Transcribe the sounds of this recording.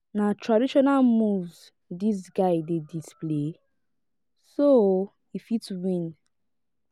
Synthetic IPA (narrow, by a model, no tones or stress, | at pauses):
natʰɹadiʃɔnalmuvz | dis̬ɡaɪdedisple | so | ifitswĩn